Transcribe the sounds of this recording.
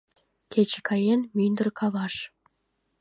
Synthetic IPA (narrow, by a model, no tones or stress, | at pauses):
kʰʲet͡ɕekʰɑjenmynd̪ərkʰɑβɑʃ